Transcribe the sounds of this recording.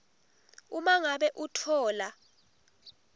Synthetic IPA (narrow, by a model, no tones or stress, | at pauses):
umaŋaɓɛʔutʰɔːla